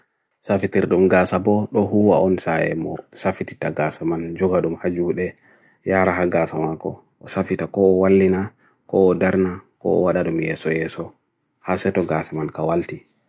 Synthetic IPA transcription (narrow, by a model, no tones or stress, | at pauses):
safitiɾɗumɡaːsabɔɗɔɦuwaʔɔnsajɛ̰mɔsafiti̥taɡasamand͡ʒɔɡaɗumhad͡ʒuɗɛ | jaːɾahaɡasamakɔ̰ | ʔɔsafitakɔːwalːina | kɔːdaɾnakɔ̰ɔ̰waɗaɗumjɛsɔjɛːsɔ | hasɛtɔɡasamankawalti